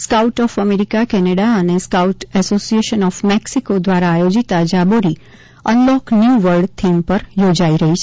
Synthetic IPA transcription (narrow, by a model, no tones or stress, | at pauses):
skauʈɔfəmeɾikakɛneɽaəneskauʈɛsosieʃənɔfmɛksikod̪ʋaɾaːjod͡ʒit̪ad͡ʒaboɾi | ənlɔknjuʋəɾɖt̪ʰimpəɾjod͡ʒaiɾəɦit͡ʃʰe